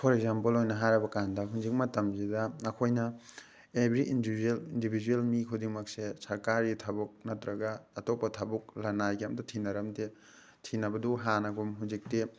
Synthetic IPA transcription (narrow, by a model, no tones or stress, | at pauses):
pʰɔɾekzampɐlojnɐɦaɾɐbɐkandɐɦund͡ʒik̚mɐtɐmzidɐːkʰojnɐ | ebʱɾiʔindelindibʱid͡ʒuelmikʰudiŋmɐk̚sesɐɾkaɾitʰɐbuk̚nɐtɾɐɡɐːtopːɐtʰɐbuk̚lanajkiamdɐtʰinɐɾɐmde | tʰinɐbɐduɦanɐɡumɦunzik̚te